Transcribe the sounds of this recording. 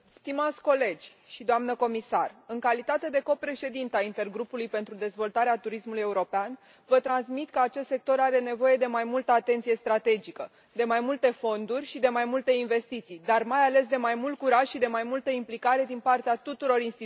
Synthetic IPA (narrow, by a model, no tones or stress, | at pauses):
st̪imat̪sʲko̞le̞d͡ʒʲ | ʃid̪oamnəko̞misarɨŋkalit̪at̪e̞d̪e̞ko̞pɾe̞ʃe̞d̪int̪eaint̪e̞rɡɾupulujpe̞nt̪ɾud̪e̞zvo̞lt̪aɾeat̪uɾismuluje̞uɾo̞pean | vət̪ɾansmit̪kəat͡ʃest̪se̞k̚t̪o̞ɾaɾe̞ne̞vo̞je̞d̪e̞majmult̪əat̪e̞nt̪sije̞st̪ɾat̪e̞d͡ʒikə | d̪e̞majmult̪e̞fo̞nd̪urʲʃid̪e̞majmult̪e̞inve̞st̪it̪sijd̪armajale̞s̬d̪e̞majmult̪̚kuɾaʃʃid̪e̞majmult̪əimplikaɾe̞d̪inpart̪eat̪ut̪uɾo̞ɾinst̪i